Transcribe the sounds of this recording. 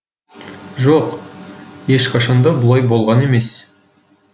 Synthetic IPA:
ʒoq | je̞ʃqʰɑʃɑnd̪ɑbʊlˠɑjbo̞lˠʁɑne̞me̞s

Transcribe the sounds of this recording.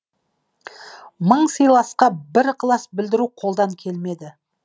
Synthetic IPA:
məɴsijlˠɑsqɑbɪɾqʰlˠɑsbɪld̪ɪɾuqʰo̞lˠd̪ɑŋkʲʰe̞lme̞d̪ɪ

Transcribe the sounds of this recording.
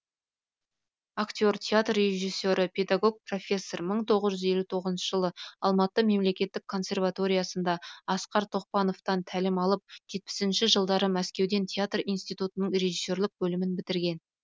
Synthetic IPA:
akt̪ʲjo̞rt̪ʲʰeat̪rːe̞ʒijsʲːo̞ɾəpʰʲe̞d̪aɡo̞ɡ̚pro̞fʲe̞sːo̞rməɴt̪ʰo̞ʁəzʒʏze̞lut̪ʰo̞ʁəzənʃəʒəlˠəɑlˠmɑt̪əme̞mle̞kʲe̞t̪ːɪkʰːo̞nsʲe̞rvat̪o̞ɾʲijasənd̪ɑɑsqɑɾt̪ʰo̞qpɑno̞ft̪ɑnt̪ʰælɪmɑlˠəp̚ʒ̥e̞t̪̚pɪ̥sɪnʃɪʒəlˠd̪ɑɾəmæskʲe̞wd̪e̞nt̪ʲʰeat̪rijnst̪ijt̪ut̪ənəɴre̞ʒisːo̞rlˠəq̚bɵlɪmɪnbɪt̪ɪɾɡʲe̞n

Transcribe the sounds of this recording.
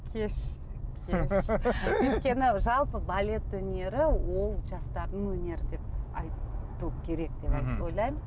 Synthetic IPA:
kʲʰeʃkʲʰe | mɵjt̪kʲe̞nɪʒɑlˠpəbalʲe̞t̪ɵne̞ɾɪwo̞lˠʒɑst̪ɑɾd̪əɴwɵne̞ɾɪd̪e̞p̚ɑ̰jt̪ukʲʰe̞ɾe̞k̚d̪̥e̞pɑjt̪o̞jlˠɑjm

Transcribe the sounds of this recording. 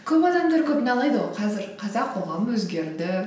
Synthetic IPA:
kʲʰɵpɑd̪ɑmd̪ɑɾkʲʰɵpɪnɑlˠɑjd̪əwoqʰɑzɪɾqʰɑzɑqʰːo̞ʁɑməwɵzɡʲe̞ɾd̪ɪ

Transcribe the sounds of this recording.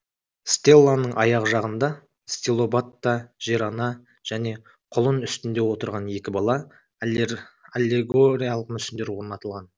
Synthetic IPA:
st̪ʲe̞lˠːanːəɴʔɑ̰jɑʁəʒɑʁənd̪ɑ | st̪ʲelˠo̞bat̪ːaʒ̥iɾɑnɑ | ʒ̥æne̞ | qʰʊlˠənʏst̪ɪnd̪e̞wo̞t̪əɾʁɑnje̞kʲɪbɑlˠɑ | alʲːeɡoɾʲijalˠəq̚mʏsɪnd̪e̞ɾwoɾnɑt̪ɑlˠʁɑn

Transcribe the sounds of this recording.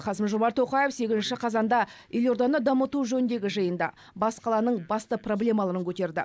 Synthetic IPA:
qʰɑsɪmʒo̞mɑɾt̪ʰːo̞qɑjefse̞kʲɪzɪnʃɪqʰɑzɑnd̪ɑelʲo̞ɾd̪ɑnəd̪ɑmət̪uʒɵnɪnd̪e̞ɡʲɪʒəjənd̪ɑ̰ | bɑsqʰɑlˠɑnəɴbɑst̪əpro̞blʲe̞mɑlˠɑɾəŋkʲʰɵt̪e̞ɾd̪ɪ

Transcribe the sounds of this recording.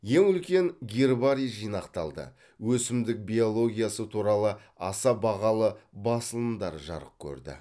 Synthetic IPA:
je̞ŋʏlkʲe̞ŋɡʲirbaɾijʒijnɑqt̪ɑlˠd̪ə̰ | wɵsɪmd̪ɪk̚bʲio̞lˠo̞ɡʲijasət̪ʰuɾɑlˠə | ɑsɑbɑʁɑlˠəbɑsəlˠənd̪ɑɾʒɑ̰ɾəp̚kʲʰɵ̰ɾd̪ɪ̰

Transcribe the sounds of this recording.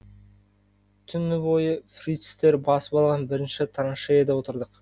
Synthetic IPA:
t̪ʰʏnːɪbo̞jəfrʲit̪st̪e̞ɾbɑsə̥pɑlˠʁɑnbɪɾɪnʃɪt̪ʰɾanʃejed̪ɑwo̞t̪əɾd̪əq

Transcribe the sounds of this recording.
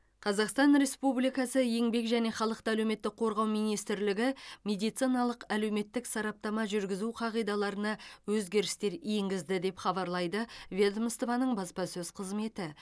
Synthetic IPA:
qʰɑzɑqst̪ɑnɾe̞spublijkɑsəje̞ŋbe̞kʒæne̞χɑlˠəq̚t̪əælewme̞t̪ːɪk̚qʰo̞ɾʁɑwmijnijst̪ɪɾlɪɡʲɪmʲe̞d̪ijt̪sijnɑlˠəqæle̞wme̞t̪ːɪksɑɾɑp̚t̪ɑmɑʒʏɾɡʲɪzuqʰɑʁijd̪ɑlˠɑɾənɑwɵzɡʲe̞ɾɪst̪e̞ɾjeŋɡʲɪzd̪ɪd̪e̞pχɑbɑɾlˠɑjd̪əvʲed̪mst̪ovɑnəɴbɑspɑsɵzqʰəzme̞t̪ɪ

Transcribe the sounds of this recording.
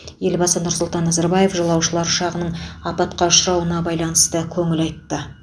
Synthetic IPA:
je̞lbɑsənʊɾsʊlˠt̪ɑnːɑzɑɾbɑjefʒɑlˠɑwʃəlˠɑɾʃɑʁənəɴɑpɑt̪qɑʊʃɾɑwənɑbɑjlˠɑnəst̪əkʲʰɵŋɪlɑjt̪ːə

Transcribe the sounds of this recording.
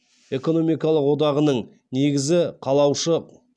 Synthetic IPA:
e̞ko̞no̞mijkɑlˠəqwo̞d̪ɑʁənəɴ | ne̞ɡʲɪzɪqʰɑlˠɑwʃə

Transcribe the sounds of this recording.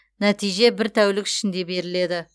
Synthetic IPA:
næt̪ijʒe̞bɪɾt̪ʰæwlɪkɪ̥ʃɪnd̪e̞be̞ɾɪle̞d̪ɪ

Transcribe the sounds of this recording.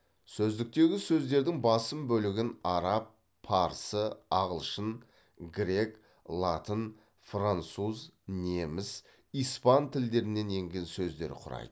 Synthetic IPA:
sɵzd̪ɪk̚t̪e̞ɡʲɪsɵzd̪e̞ɾd̪ɪŋbɑsəmbɵlɪɡʲɪnɑɾɑpʰː | ɑɾsəɑʁəlˠʃən | ɡɾʲe̞k | lˠɑt̪ən | frant̪suzne̞mɪz | ijspɑnt̪ʰɪld̪e̞ɾɪne̞ne̞ŋɡʲe̞nsɵzd̪e̞̰ɾɪ̰qʰʊɾɑ̰jd̪̥ə

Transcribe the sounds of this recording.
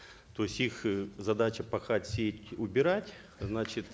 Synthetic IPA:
t̪osʲixzɐd̪at͡ɕəpɐxatʲsʲetʲʊbʲɪɾatʲ | znat͡ɕɪt̪

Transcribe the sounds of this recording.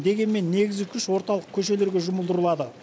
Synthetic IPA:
d̪e̞ɡʲe̞nme̞nːe̞ɡʲɪzɡʲɪkʲʰʏʃwo̞ɾt̪ɑlˠəq̚kʲʰɵʃ̬e̞le̞ɾɡʲe̞ʒʊməlˠd̪əɾəlˠɑd̪ə

